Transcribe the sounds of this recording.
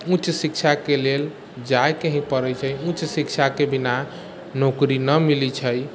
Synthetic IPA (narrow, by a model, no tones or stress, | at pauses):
ut͡ʃsik̚t͡ʃʰakelel | d͡ʒajkeɦĩpəɾət͡ʃʰəjũt͡ʃsikt͡ʃʰakebina | nokɾinəmilit͡ʃʰəj